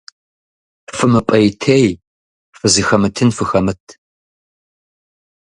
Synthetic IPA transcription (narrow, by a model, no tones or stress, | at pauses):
fɨmɨpʼɐjtʰej | fɨzixɐmɨtʰɨnfɨxɐmɨtʰ